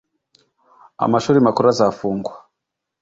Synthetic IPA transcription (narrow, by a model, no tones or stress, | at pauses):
a̰maʃuɾimakuɾazafuːŋɡwa